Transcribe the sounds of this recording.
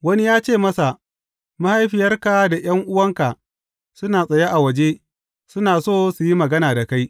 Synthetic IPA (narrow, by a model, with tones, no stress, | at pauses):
wɐ˦ni˦jaː˦t͡ʃeː˦˨mɐ˦sa˨ | ma˦ha˦jɸɪ˨jɐ˦rka˨da˨j̰ɐ˦ŋʔʊ˦wɐ˦ŋka˨ʔ | sʊ˦naː˨sʼɐ˨ja˦ʔa˨wɐ˨d͡ʒe˦ | sʊ˦naː˨soː˦˨su˨ji˦mɐ˨ɡɐ˦naː˨da˨ka˦j